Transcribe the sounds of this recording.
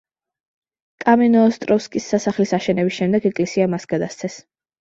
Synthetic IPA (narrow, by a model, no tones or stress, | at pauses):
kʼamɛnɔːst̪ʼɾɔfskʼisːasaχlisaʃɛnɛbisʃɛmd̪ɛɡɛkʼlɛsiamasɡad̪ast̪sʰɛs